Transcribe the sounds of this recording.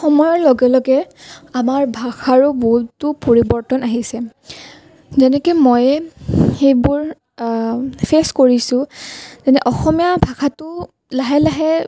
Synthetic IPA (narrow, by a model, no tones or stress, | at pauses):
xɔmɔjɔɹlɔɡɛlɔɡɛamaɹbʱaxʰaɹʊboɦutːʊpoɹibɔɹtɔnaɦisɛ | zɛnɛkɔmɔjxejbʊɹ | pʰeskoɹisʊ̃zɛnɛʔɔxɔmijabʱaxatʊ | laɦɛlaɦɛ